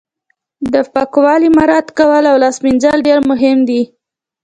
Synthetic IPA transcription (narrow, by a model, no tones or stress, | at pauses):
d̪əpakwɑlimaɾɑt̪kawəlawlɑsmind͡ʒalɖeɾmʊɦɪmd̪i